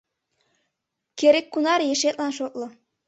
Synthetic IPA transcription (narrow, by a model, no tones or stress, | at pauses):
kʲeɾekːunɑɾjeʃet̪lɑnʃot̪lɤ̆